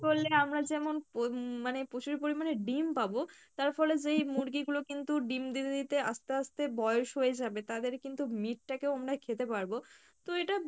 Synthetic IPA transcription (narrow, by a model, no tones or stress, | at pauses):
bolːeamɾad͡ʑɛmonomanepot͡ɕuɾpoɾimaneɖimpabot̪aɾfɔled͡ʑejmuɾɡiɡulokint̪uɖimd̪it̪ed̪it̪east̪east̪ebɔjoʃɦojed͡ʑabet̪ad̪eɾkint̪umiʈ̚ʈakeoamɾakʰet̪epaɾbo | t̪oeʈa